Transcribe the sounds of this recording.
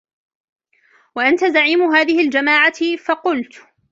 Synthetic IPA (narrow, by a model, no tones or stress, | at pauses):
waʔant̪azaʕiːmʊɦaːðɪhɪld͡ʒamaːʕafɑqʊlt̪